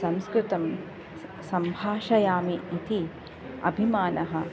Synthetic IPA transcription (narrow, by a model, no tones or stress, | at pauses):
sɐ̃mskɾut̪ɐm | sɐmbʱaːʃɐjaːmiːt̪ʰi | ɐ̰bʱimaːnɐɦɐ